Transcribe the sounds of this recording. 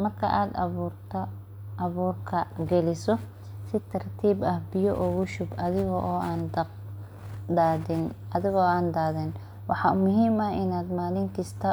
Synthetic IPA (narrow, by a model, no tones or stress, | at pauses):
mɐrkʰɐ̰ʔaːd̪rt̪ʰ | ɐβuːrkʰɐɡɛlɪsɔ | sɪt̪ʰɐrt̪ʰiːbɐhbɪjɔʔɔɣʊʃʊbɐðɪɣɔʔɔːʔaːnd̪ | d̪aːðɪn | ɐðɪɣɔaːnd̪aːðɪn | wɑħɑmʊɦiːmɐɪnaːd̪maːlɪŋkʰɪst̪ʰɐ